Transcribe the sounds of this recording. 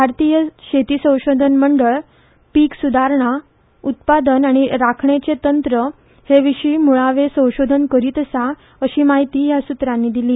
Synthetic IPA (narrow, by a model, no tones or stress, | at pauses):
bʱaɾt̪ijəɕet̪iːsə̃w̃ɕod̪ʱənməɳɖəɭ | piːksud̪ʱaɾɳa | ut̪̚pad̪ənaɽ̃iɾakʰɳet͡set̪ənt̪ɾə | heʋiɕiːmuɭaʋesə̃w̃ɕod̪ʱənkəɾiːt̪əsa | əɕiːmaɦit̪iːɦjasut̪ɾanːiːd̪iliː